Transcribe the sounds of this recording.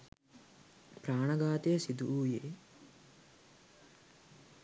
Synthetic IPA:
pɾaːɳɐɡaːt̪eːsid̪uuːjeː

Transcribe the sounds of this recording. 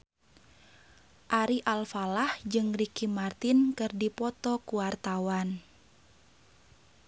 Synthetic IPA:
ʔaɾiʔalfalahd͡ʒɨŋrikimart̪inkɨrdipɔt̪ɔkuwart̪awan

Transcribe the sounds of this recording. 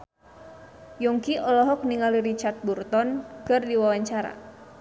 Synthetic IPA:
jɔŋkiʔɔlɔɦɔk̚niŋaliɾit͡ʃart̪̚burt̪ɔnkɨrdiwawaɲt͡ʃaɾa̰

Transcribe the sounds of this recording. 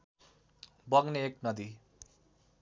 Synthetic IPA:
bʌɡneeknʌd̪i

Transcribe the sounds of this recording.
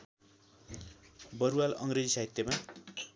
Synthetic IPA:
bʌɾualʌ̰ŋred͡zisaɦit̪jʌma

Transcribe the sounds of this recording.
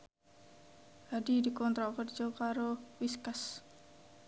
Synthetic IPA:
hadidikɔnt̪ɾakərd͡ʒɔkaɾowiskas

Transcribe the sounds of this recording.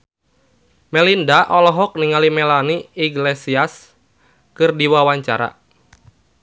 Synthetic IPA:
mɛlindaʔɔlɔɦɔk̚niŋalimɛlaniiɡlesias | kɨrdiwawaɲt͡ʃaɾa̰

